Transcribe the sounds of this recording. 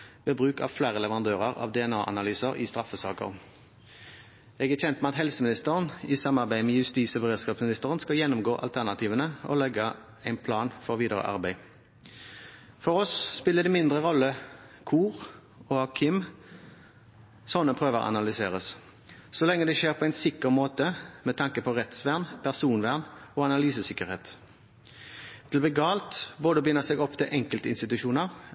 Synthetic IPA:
ʋeːbʁʉːkɑ̰ʋflæːʁəlɛʋəʁɑnd̪øːʁəʁɑ̰ːʋd̪ɛɛnɑːʔɑ̰nɑlyːsəɾɪst̪ʁɑfəsɑ̰ːkə̰ʁn | ɛːɡæçɛnt̪mɛɑt̪hɛlsəmɪnɪst̪əʁəniːsɑmɑʁbæɪmɛːjʉst̪iːsɔbəʁeːd̪skɑːpsmɪnɪst̪əʁənskɑljɛnːʊmɡoːʔɑ̰lt̪ʰæʁnɑt̪ʰiːʋənəʔɔ̰lɛɡə | æɪnpʰlɑːnfɔʋiːd̪əʁə̰ʔɑ̰ʁbæɪ | fɔʁɔsːpɪlːəd̪ɛmɪnd̪ʁəʁɔlːə | kʰuːʁ | oɑkʰɪm | sɔnːəpʰʁøːʋəʁɑ̰nɑlʏseːʁəs | sɔlɛŋːəd̪ɛʃeːʁpʰɔæɪnsɪkəʁmoːt̪əmɛt̪ʰɑŋkəpʰɔʁɛt̪sʋæʁnpʰæʁsuːnʋæʁnoːɑnɑlyːsəsɪkəʁheːt̪ | t̪ʰɪlɔbɛːɡɑːlt̪boːd̪əbəjɪnəʁseːɡɔpːt̪ʰɪlʔɛŋkəlt̪əɪnst̪ɪt̪ʉʃuːnəʁ

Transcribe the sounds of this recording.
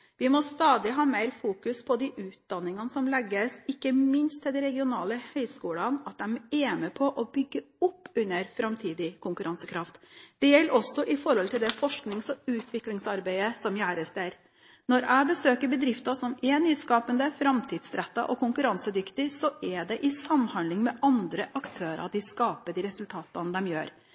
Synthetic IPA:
ʋɪmɔst̪ɑːd̪ɪɦɑːmæɪɾfuːkʉspʰɔd̪ɪʔʉːt̪̚d̪ɑnːɪŋɑnəsɔmlɛɡːəsɪkːəmɪnst̪ʰːɪld̪ɛɾɛɡɪʊnɑːləhœʏskuːlɑnɑt̪̚d̪ɛmɛːməpʰɔʔɔbʏɡːəʊpːʉnːəɾfɾɑmt̪ʰiːd̪ɪkʰʊŋkʉɾʔɑnsəkʰɾɑft̪d̪̥ɛjɛlːəɾɔsɔʔɪfɔɾɔlt̪ʰɪld̪ɛfɔʂknɪŋsɔʉːt̪ʰʋɪklɪŋsɑɾbæɪəsɔmjæːɾəst̪æɾ | nɔɾæɪbəsøːkəɾbəd̪ɾɪft̪ɑsɔmɛnyːskɑːpənd̪əfɾɑmt̪ʰiːd̪sɾɛt̪ːɑ̰ʔɔkʰʊŋkʉɾɑnsəd̪ʏkt̪ɪsɔʔɛɖ̪ɛʔɪsɑmːhɑnd̪lɪŋmɛʔɑnd̪ɾəʔɑkt̪ʰøːɾɑ̰d̪ɪskɑːpəɖ̪ɪɾɛsʉlt̪ʰɑːt̪ɑnd̪ɛmjø̰ːɾ

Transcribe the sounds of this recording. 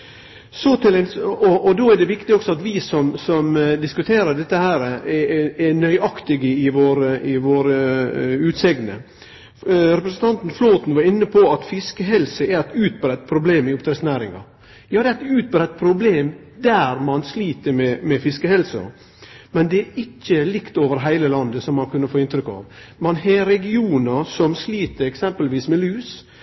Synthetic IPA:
sɔt̪ɪlɛɔʔɔd̪oːæɖɛʋɪkt̪ɪɔksɔɑt̪ʋɪsɔmsɔmd̪ɪskʉt̪ʰeːɾəɖ̪ɛt̪ːəhæːɾəɛɛnœʏʔɑkt̪ɪɡəɪʋoːɾəɪʋoːɾəʉːt̪sɛɡnə̰ | ɾɛpɾəsənt̪ʰɑnt̪n̩floːt̪nʋɑɾɪnːəpʰɔɑt̪fɪskəɦɛlsəæɾæt̪ʉːt̪̚bɾɛt̪ːpʰɾʊbleːmɪʊpt̪ɾɛsnæːɾɪ̰ŋɑ̰ | jɑːd̪ɛæɛt̪ʉːt̪̚bəɾɛt̪̚ːpʰɾʊbleːm | d̪æɾmɑnsliːt̪əɾmɛmɛfɪskəhɛlsɔ̰ | mɛnd̪ɛæɾɪçːəlɪkt̪oːʋəɾɦæɪləlɑnd̪əsɔmːɑnkʰʉnːəfoːɪnt̪ɾʏkːɑ̰ːʋmɑnɦeɾɛɡɪuːnəsɔmsliːt̪əɾɛksɛmpəlʋiːsmɛlʉːs

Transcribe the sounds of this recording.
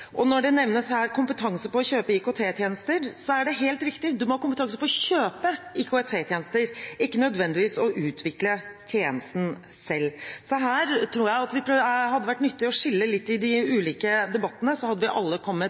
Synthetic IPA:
ʔɔnɔɖɛnɛʋnəshæːɾkʰʊmpət̪ʰɑŋsəpɔɔçøːpəɪkot̪ʰeːt̪ʰjeːnəst̪əɾsɔæɖɛɦeːlt̪ɾɪkt̪ɪd̪ʉmɔhɑːkʊmpət̪ɑŋsəpɔɔçøːpəɪkʰoɛt̪ʰeːt̪ʰjeːnəst̪əɾɪkːənœd̪ʋɛnd̪ɪʋiːsɔʔʉːt̪ʰʋɪklət̪ʰjeːnəst̪n̩ | sɛlːsɔɦæːɾt̪ʰɾuːɾjæɪɑt̪ʋɪpʰɾhɑd̪ːəʋæʈːnʏt̪ːɪɔʂɪlːəlɪt̪ːɪd̪ɪʉːliːkəd̪ɛbɑt̪ːənəsɔhɑd̪ːəʋɪʔɑ̰lːəkʰɔmːət̪

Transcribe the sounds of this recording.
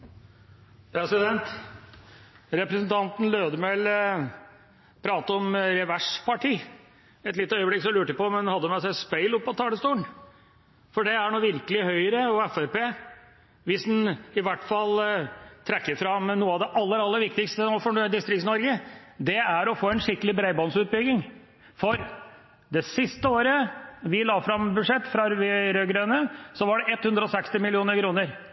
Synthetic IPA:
pɾɛsɪd̪ɛnt̪ | ɾɛpɾɛsənt̪ʰɑnt̪n̩løːd̪əmɛl | pʰɾɑːt̪əɔmɾɛʋæʂpʰɑʈʰiː | ɛt̪lɪt̪ːəœʏəblɪksɔmlʉːʈəpɔmɛnhɑd̪ːəmæsæɪspæɪlʊpːɔt̪ʰɑːd̪ɛst̪uːəɳ | fɔɖɛæɳuːʋɪɾkəlɪhœʏəɾəɔɛfæpeː | ʋɪsd̪ɛnɪʋæʈːfɑlt̪ʰɾɛkːəɾfɾɑmnuːəɑʋd̪ɛʔɑlːəɾɑlːəɾʋɪk̚t̪ɪkst̪ənoːfɔd̪ɪst̪ɾɪktsnɔɾɡəd̪ɛæɾɔfoːɛnʂɪkːəlɪbɾæɪbɔnsʉːt̪̚bʏɡ̪ɪŋ | fɔɾ | d̪ɛsɪst̪əoːɾəʋɪlɑːfɾɑmbʉd̪ʂɛt̪ːfɾɑʋɾøːɡɾøːnəsɔʋɑɖɛʔɛt̪ːhʉnd̪ɾəɔsɛkst̪ɪmɪlɪuːnəɾkʰɾuːnəɾ

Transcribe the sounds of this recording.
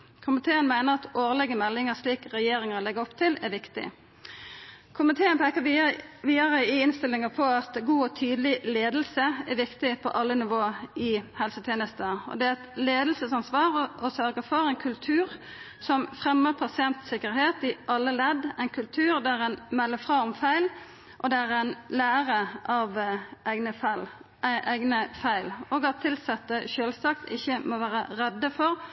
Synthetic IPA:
kʰʊmɪt̪ʰeːənmæɪnəʁɑt̪oːʁlɛɡəmɛlːɪŋəʂliːkʁɛjeːʁɪŋəʁlɛɡəɔpt̪ʰɪlæʋɪkt̪ɪ̰ | kʰʊmɪt̪ʰeːənpʰɛkəʋiːəʁəɪɪnst̪ɪlːɪŋəpʰɔɑt̪ɡuːɔt̪ʰyːd̪əlɪleːd̪lsəæʋɪkt̪ɪpʰɔ̰ʔɑlːənɪʋoːɪhɛlsət̪ʰjeːnəst̪əɔ̰d̪ɛɛt̪leːd̪l̩səsɑnsʋɑːʁʔɔsœɾɡəfɔʁæɪnkʰʉlt̪ʰʉːʁ | sɔmfʁɛmːəʁpʰɑsɪɛnt̪sɪkəɾheːt̪ɪʔɑlːəlɛd̪æɪnkʰʉlt̪ʰʉːʁd̪æɾɛnmɛlːəfʁɑːɔmfæɪl | ʔɔd̪ɛæʁæɪnlæːʁəʔɑʋʔæɪɡnəfæɪl | ʔæʔæɪɡnəfæɪloːɡɑt̪ʰːɪlsɑt̪ːəʃøːlsɑkt̪ɪçːəmɔʋæːɾəɾɛd̪ːəfɔʁ

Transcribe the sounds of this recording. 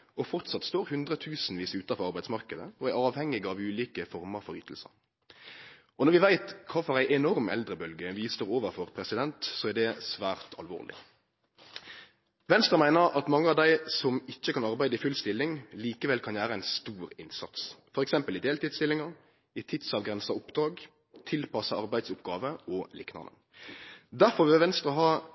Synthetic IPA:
ɔfɔʁt̪sɑt̪st̪oːɾhʉnd̪ɾət̪ʰʉːsn̩ʋiːsʉːt̪ɑfɔʁɑʁbæɪd̪smɑʁkəd̪ə̰ɔæɾɑːʋhɛŋːɪɡɑʋʉːliːkəfɔɾməɾfɔɾy̰ːt̪ʰl̩sə̰ɾ | ɔnɔʁʋɪʋæɪt̪kʰɑːfɔɾæɪʔɛnɔɾmɛ̰ld̪ɾəbœlɡəʋiːsəɾoːʋəɾfɔʁpʰɾɛsɪd̪ɛnt̪sɔæʁd̪ɛsʋæːʁt̪ʰɑ̰lʋo̰ːʁlɪ̰ | ʋɛnst̪ʁəmæɪnəɾɑt̪mɑŋːəɑʋd̪æɪsɔmɪçːəkʰɑnɑɾbæɪd̪əɪfʉlst̪ɪlːɪŋliːkəʋɛlkʰɑnjæːɾəæɪnst̪uːɾɪnsɑ̰t̪sfɔɾɛksɛmpəlɪd̪eːlt̪iːd̪st̪ɪlːɪŋɑ | ɪt̪ʰɪt̪sɑʋɡɾɛnsɑʊpd̪ɾɑːɡ | t̪ʰɪlpʰɑsɑɑɾbæɪd̪sʊpɡɑːʋəɔlɪ̰knɑ̰nə̰ | d̪æɾfɔɾʋɪʋɛnst̪ɾəɔɦɑː

